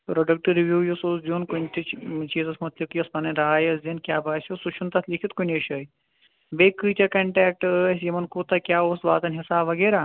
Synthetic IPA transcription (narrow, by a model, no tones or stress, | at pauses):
pɾoɖɐk̚ʈɨɾiʋjuːjusoːsd̪ioːnkunʲt̪ʰit͡ʃt͡ʃiːzɐsmɐt̪lɐbkjɐspɐnɐnɾaːjɐsd̪inkʲjaːbaːsʲjusut͡ʃʰunt̪ɐt̪ʰlikʰit̪kunʲɐʃɐːj | beːkːɨːt͡ʃɐkɐɳʈɛːk̚ʈːsjimɐnkuːt̪ɐkʲjaːoːsbaːt̪ɐnʲɦisaːʋɐɡeːɾaː